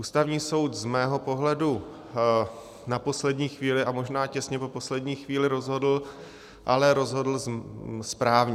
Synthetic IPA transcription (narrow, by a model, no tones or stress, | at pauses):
ʔuːst̪avɲiːso̞wt̪zmɛːɦo̞po̞ɦlɛdu | napo̞slɛdɲiːxviːlɪʔamo̞ʒnaːcɛsɲɛpo̞po̞slɛdɲiːxviːlɪɾo̞zɦo̞dl̩ | ʔalɛɾo̞zɦo̞dl̩zspɾaːvɲɛ